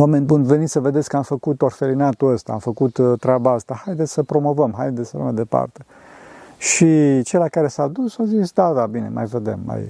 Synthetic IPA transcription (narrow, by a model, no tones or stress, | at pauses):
omenbunve̞nit̪səve̞d̪esʲkəamfəkut̪o̞rfe̞linat̪uəst̪aːmfəkut̪t̪ːɾeabaast̪ahajd̪et̪ssəpɾo̞mo̞vəmɦaj̪d̪et̪sələ̰majd̪e̞pa̰rt̪e | ʃit͡ʃelakaɾe̞sad̪usazisd̪ad̪abine̞̰mʔa̰jve̞d̪emːa̰j